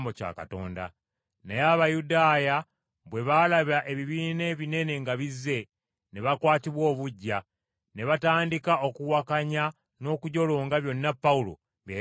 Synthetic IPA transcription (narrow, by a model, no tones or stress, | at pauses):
mbo̞ca̰ːka̰to̞̰ːnda̰ | nejaβajudaːja | βwe̞βalaβaʔe̞βiβiːne̞βine̞ne̞ŋɡaβizːe̞ | ne̞βakwaːtiβwo̞ːβuɟːa | ne̞βataːndikao̞kuwakaɲa | no̞ːkuɟo̞loːŋɡaβjo̞nːapːaulo̞̰ | βje